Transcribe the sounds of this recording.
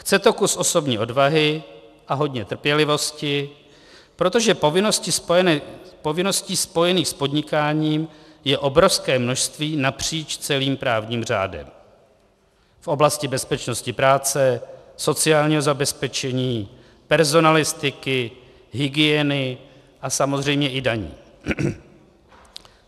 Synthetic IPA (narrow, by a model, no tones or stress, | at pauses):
kt͡sɛt̪o̞kusʔo̞so̞bɲḭːʔo̞dvaɦɪʔaɦo̞dɲɛt̪r̩pjɛlɪvo̞scɪ | pɾo̞t̪o̞ʒɛpovɪnoscɪs | po̞vɪno̞sciːspo̞jɛniːxspo̞dɲɪkaːɲiːmjɛʔo̞bɾo̞fskɛːmno̞ʃst̪viːnapr̥iːt͡ʃt͡sɛliːmpɾaːvɲiːmr̝a̰ːdɛ̰m | fʔo̞blascɪbɛspɛt͡ʃno̞scɪpɾaːt͡sɛso̞t͡sɪaːlɲiːɦo̞zabɛspɛt͡ʃɛɲiː | pɛɾzo̞nalɪst̪ɪkɪ | ɦɪɡɪɛnɪ | ʔasamo̞zr̝ɛjmɲɛʔɪdaɲḭː